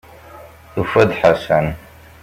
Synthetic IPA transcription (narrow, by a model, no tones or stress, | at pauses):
dufɐdħasan